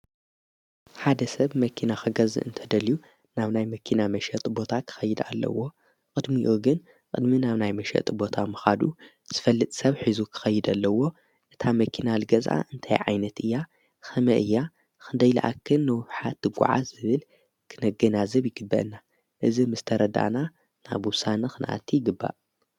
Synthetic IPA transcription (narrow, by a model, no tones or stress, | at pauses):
ħad̪ɐsɐβmɐkʰinaxɐɡɐzɨ̰ʔɨ̰nt̪ʰɐd̪ɐliju | naβnajmɐkʰinamɐʃɐt̪ʼbo̞t̪ʰakʰɨ̥xɐjːɨd̪a̰lːɐ̰wo̞ | kʼɨd̪miʔuɡɨn | kʼɨd̪minaβnajmɐʃɐ̰t̪ʼbo̞t̪ʰamɨxad̪u | z̥ɨfɐlːɨt̪ʼsɐβħizukʰɨ̥xɐjːɪd̪alːɐwo̞ | ʔɨt̪ʰamɐkʰinalɨɡɐzʔa̰ʔɨnt̪ʰa̰jʕa̰jnɐt̪ɨjːa | xɐmɐʔɨjːa | xɨnd̪ɐjla̰ʔa̰kʰːɨnːɨwɨβħat̪ːɨɡʷʊ̰ʕa̰zɨβɨl | kʰɨnɐɡɐnazɐβjɪɡɨbːɐ̰ʔɨnːa | ʔɨzimɨst̪ʰɐɾɐd̪a̰na | na̰βwʊsanɐxɨna̰ʔa̰t̪ʰːijɪɡɨbːa̰ʔ